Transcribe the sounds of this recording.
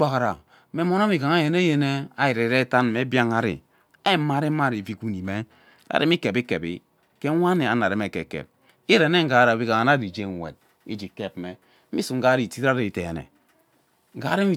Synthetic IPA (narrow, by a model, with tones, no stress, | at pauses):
a˨ka˨ɾa˨˦ | me˨˦mo˦na˦mi˨ka˨ŋa˦je˨ne˦je˦ne˦a˦ji˨ɾe˨ɾe˦ta˦nme˨˦bja˦ŋa˦ɾḭ˨ | a˦ma˦ɾi˦ma˦ɾi˨vi˦ku˦ni˨me˦ | a̰˨ɾi˦mi˦ke˨bi˦ke˨bḭ˦ | ke˦wʷa˦ne˨a̰˦na˨ɾe˨˦me˨ke˨kḛ˨p̚ | i˦ɾe˨˦ne˦ŋ̩˦ɡa˨˦ɾa˨bi˦ka˨ŋa˨˦a˦ɾi˨d͡ʒe˦ŋ˨wḛ˨d̚ | ḭ˦d͡ʒi˨ke˦p̚me˨˦ | i˦su˨ŋ̩˦ɡa˦ɾi˦˨ti˦a˦ɾi˨te˨nḛ˨ | ŋ̩˨ɡa˨˦ɾi˦mi˦